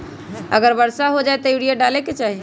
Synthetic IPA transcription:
ə̰ɡəɾbəɾsaɦod͡ʒaet̪ɔiɽijaɖaleket͡ʃaɦi

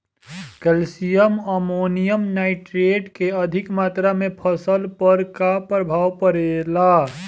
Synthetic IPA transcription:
kɛlsijəməmoːnijəmnaːɪʈɾeːɖkeəd̪ʱɪkmaːt̪ɾamẽpʰəsəlpəɾkapɾəbʱaːwpəɾela

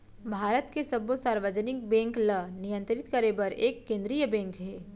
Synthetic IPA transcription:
bʱaːɾət̪kesɐbosaːɾʋəd͡ʒənɪk̚bɛ̃ːŋklənijə̃nt̪ɾɪt̪kəɾebɐɾeːkːẽːnd̪ɾijəbɛ̃ːŋkɦɛː

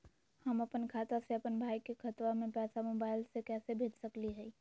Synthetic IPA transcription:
hɐmɐpənkʰaːt̪aseɐpənbʱaːjkekʰɐt̪wamẽpɛːsamoːbaːɪlsekɛːsebʱeːd͡ʒsɐkliɦɛi

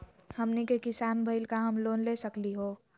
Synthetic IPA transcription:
həmnikekɪsaːnbʱəɪlkaɦəmloːnlesəkliɦoː

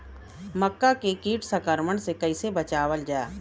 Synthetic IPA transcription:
məkːakekiːʈsəkəɾməɳsekɐɪsebət͡ʃaːwəld͡ʒa̰ː

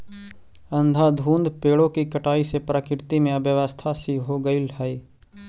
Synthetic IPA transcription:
ə̃nd̪ʱad̪ʱũːnd̪peːɽõkikəʈaːisepɾakɪɾt̪imẽɐbjəʋəst̪ʰasiɦoːɡəilɦɛiː

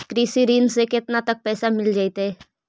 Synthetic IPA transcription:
kɾiːsiɾiːnsekɪt̪nat̪ɐk̚pɛːsamɪld͡ʒaːit̪ɦɛː

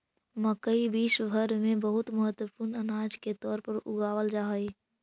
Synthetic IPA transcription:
məkəibiːʃbʱəɾmẽbəɦʊt̪məɦət̪wəpuːɾnənaːd͡ʒket̪ɔːɾpəɾʊ̰ɡaːwəld͡ʒaːɦəi

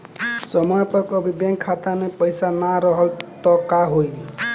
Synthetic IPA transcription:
sɔmɔjpɔɾkɔbibjeŋkʰːat̪anepɔjsanaɾɔɦɔlt̪ɔkaɦoj

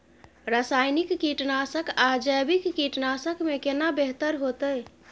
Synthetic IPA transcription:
ɾasajnikːiʈnasəkad͡ʒəjbikːiʈnasəkmekenabeɦt̪əɾɦot̪əj

